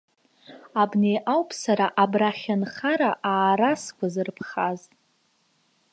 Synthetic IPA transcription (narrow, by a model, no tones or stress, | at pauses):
abne̞jʔawpʰsaɾaʔabraχʲanχaɾaʔaːɾaskʷʰʼazɨrpʰχaztʼ